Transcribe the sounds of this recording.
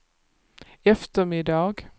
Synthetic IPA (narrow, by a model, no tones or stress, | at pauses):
ɛft̪əmɪd̪ɑːɡ